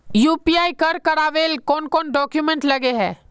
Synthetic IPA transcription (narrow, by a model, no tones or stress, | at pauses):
juːpiaːikɐɾkɐɾaːʋeːlkɔːnkɔːnɖɔːkjumɛ̃ɳʈlɐɡeɦɛ̰ː